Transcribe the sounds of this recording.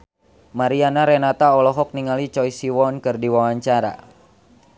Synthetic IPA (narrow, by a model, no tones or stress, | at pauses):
maɾianaɾɛnat̪aɔlɔɦɔk̚niŋalit͡ʃɔjsiwɔnkɨrdiwawaɲt͡ʃaɾa̰